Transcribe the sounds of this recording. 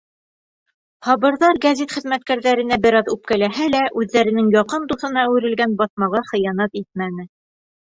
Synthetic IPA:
hɑβɤ̆ɾðɑɾɡæzʲet̪χɘ̆ðmæt̪̚kæɾðæɾɘ̆næbɘ̆ɾɑðʉp̚kælæɦælæʔʉðːæɾɘ̆nɘŋjɒqɤnd̪uθɤ̆nɑæwɘ̆ɾɘ̆lɡænbɑθmɑʁɑχɤ̆jɑnɑt̪it̪̚mænɘ

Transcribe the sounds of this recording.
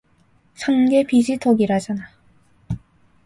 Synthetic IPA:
sʰanɡe̞pid͡ʑitʰoɡiɾad͡ʑana

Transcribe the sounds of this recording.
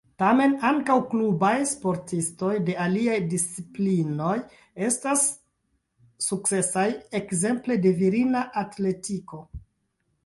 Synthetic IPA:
tame̞naŋkawklubajspo̞ɾtisto̞jde̞aliajdist͡siplino̞j | e̞stas | uk̚t͡se̞saje̞kze̞mple̞de̞viɾinaʔatle̞tiko̞

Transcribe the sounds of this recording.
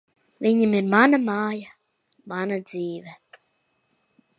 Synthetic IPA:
viɲimiɾmanamaːja | manad̪ziːvɛ

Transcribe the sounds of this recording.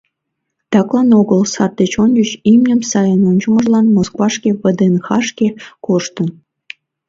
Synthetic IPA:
t̪ɑklˠɑnoɣəlsɑrd̪et͡ɕonʲd͡ʑət͡ɕimnʲə̆msɑjənonʲd͡ʑə̆mə̆ʒlˠɑnmoskvɑʃkʲeβəd̪enxɑʂkʲekoʃt̪ə̆n

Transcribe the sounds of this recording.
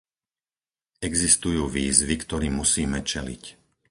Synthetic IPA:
ɛɡzist̪ujuːʋiːzʋikt̪ɔɾiːmusiːmɛt͡ʃɛlḭc

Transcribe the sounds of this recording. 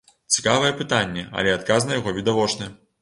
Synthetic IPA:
t͡sʲi̥kavɐjɛpɨt̪anʲːɛɐ̰lʲɛat̪̚kaznɐjaɣɔvʲid̪avɔt͡ʂnɨ

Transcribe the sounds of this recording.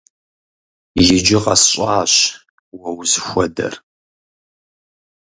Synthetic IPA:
jɪd͡ʒɪqɐsɕʼaːɕ | wɐwzxʷɔdɐ̰r

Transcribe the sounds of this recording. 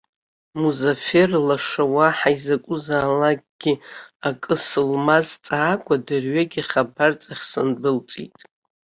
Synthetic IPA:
muzaferlaʂawaħaizakʷʼʊzaːlakʼɡ̥ʲiakʼɨsɨlmazt͡sʼaːkʷʼadɨrɥaɡʲɪχabart͡sʼaχʲsɨnbɨlt͡sʼḭtʼ

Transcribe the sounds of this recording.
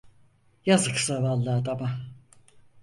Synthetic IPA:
jazɨksavalˠːaːd̪aba

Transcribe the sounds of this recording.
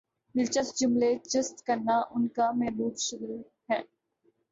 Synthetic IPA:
mɪlt͡ʃəsd͡ʒʊmleːt͡ʃəst̪kəɾnaʔʊnkamɛɦbuːbʃʊɡl | ɦɛ̃ː

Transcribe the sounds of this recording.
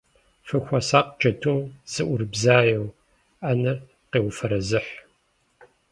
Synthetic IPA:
fɨxʷɐsaːqd͡ʒʼɐtʰumz̥ɨʔʷʊrbzaːjɛw | anɐr | qeːwfɐɾɐzɨħ

